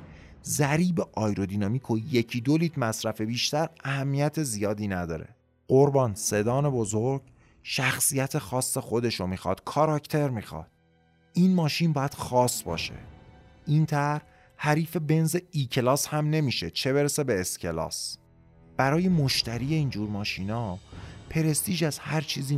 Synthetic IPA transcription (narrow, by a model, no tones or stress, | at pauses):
zæɾiːbeʔɒːjɾo̞d̪iːnɒmikʰojecʰiːd̪oliːt̪ʰmæsɾæfe̞biːʃt̪æɾæhæmːijæt̪ʰe̞zijɒːd̪iːnæd̪ɒ̰ːɾe̞̰ | ɢoɾbɒːnse̞d̪ɒːne̞bozoɾɡ̥ | ʃæxsijæt̪ʰe̞xɒːsːe̞xo̞d̪e̞ʃomiːxɒ̰ːd̪̥kʰɒːɾɒcʰt̪ʰe̞ɾmiːxɒ̰ːd̪̥̚ | ʔiːnmɒːʃiːnbɒːjæd̪̥xɒːsbɒ̰ːʃḛ | ʔiːnt̪ʰæɾh | hæɾiːfe̞be̞nzeiːcʰelɒːshæmne̞miːʃe̞t͡ʃʰe̞βe̞ɾese̞be̞ːscʰe̞lɒ̰ːs | b̥æɾɒːje̞moʃt̪ʰæɾiːe̞iːnd͡ʒuːɾmɒːʃiːnɒːpʰe̞ɾe̞st̪iːd͡ʒæzhæɾt͡ʃʰiːziː